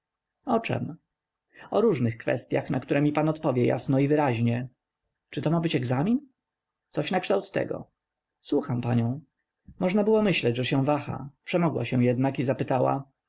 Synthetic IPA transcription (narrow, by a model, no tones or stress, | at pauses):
ɔt͡ʂɛ̰m | ɔɾuʐnɘxkfɛ̰st̪ʲja̰xnakt̪uɾɛmʲipanɔt̪pɔvʲjɛja̰snɔivɘɾaʑɲɛ | t͡ʂɘt̪ɔmabɘt͡ɕɛɡzamʲin | t̪sɔɕnakʂt̪awt̪ːɛ̰ɡɔ̰ | swuxampaɲɔ̃w̃ | mɔʐnabɘwɔmɘɕlɛd͡ʑʐɛɕɛ̃vaxa̰pʂɛmɔɡwaɕɛw̃jɛd̪nakizapɘt̪awa̰